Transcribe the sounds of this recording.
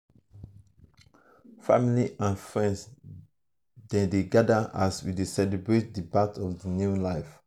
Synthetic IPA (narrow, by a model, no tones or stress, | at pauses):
fa̰miliʔãnfɹɛ̃ns | dɛ̃deɡadaʔaswidesɛlebɹet̚dibatʰɔfdinjulaɪf